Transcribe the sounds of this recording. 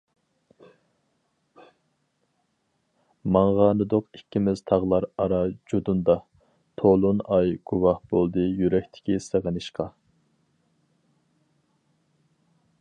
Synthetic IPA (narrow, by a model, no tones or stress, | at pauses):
mɑɴʁɑːnɨd̪oqikʲːimɪz̥t̪ʰɑʁlˠɑɾɑɾɑd͡ʒud̪und̪ɑ | t̪ʰolˠunɑjɡ̥uwɑhbolˠd̪ɨjyɾɛkʲt̪ʰɪ̥kʲisəʁənɨʃqʰɑ